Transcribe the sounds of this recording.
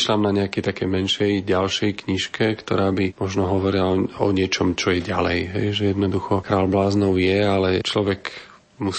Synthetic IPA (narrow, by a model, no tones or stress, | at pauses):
ʃlamnaɲɛakɛjt̪akɛjmɛnʃɛjɟalʃɛjkɲiʃkɛkt̪ɔɾaːbimɔʒnɔɦɔʋɔɾilaɔ̰ɲɪɛt͡ʃɔmt͡ʃɔjɛɟalɛ̰jɦɛjʒɛjɛd̪nɔd̪uxɔkɾaːlblaːznɔʊjɛalɛt͡ʃlɔʋɛk | mus